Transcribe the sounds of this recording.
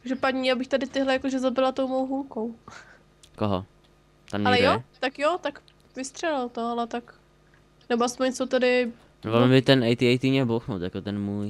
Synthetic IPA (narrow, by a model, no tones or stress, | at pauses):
ʒɛpadɲiabɪxt̪adɪt̪ɪɦlɛjakoʒɛzabɪlat̪o̞wmowɦulkow | koɦo̰ | t̪amɲalɛjot̪akjot̪ak | vɪst̪r̥ɛlɪlt̪oalɛt̪ak | nɛboʔaspoɲt͡sot̪adɪ | volmɪt̪ɛnʔɛjt̪iɛjt̪iɲɛbowxnowt̪jakot̪ɛnmuːj